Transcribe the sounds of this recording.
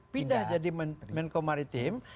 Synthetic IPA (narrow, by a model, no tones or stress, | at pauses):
pindahd͡ʒadimnmɛnkomaɾit̪im